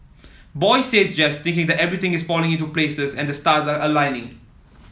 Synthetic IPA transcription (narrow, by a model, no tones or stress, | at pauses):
bɔjseːsd͡ʒɛst̪ɪ̃ŋkɪ̃ŋd̪ɛtɛvɹit̪ɪ̃ŋɪsfɔlɪ̃ŋɪ̃nt̬upleːsəsɛ̃ndəstaːzaəlãɪnɪ̃ŋ